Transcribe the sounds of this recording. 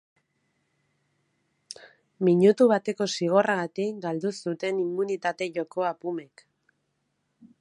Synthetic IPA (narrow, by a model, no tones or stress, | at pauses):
miɲut̪uβat̪e̞ko̞siɣ̞o̞raɣat̪ikɡald̪usut̪e̞nimːunit̪at̪e̞ʝo̞ko̞apume̞k